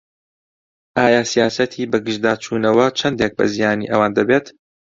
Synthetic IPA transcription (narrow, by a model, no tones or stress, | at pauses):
ʔaːjaːsijaːsɐt̪ʰiːbɐɡɨʒd̪aːt͡ʃʰuːnɐwɐt͡ʃʰɐnd̪eːk̚bɐ̰zijaːnḭʔɐwaːnd̪ɐbeːt̪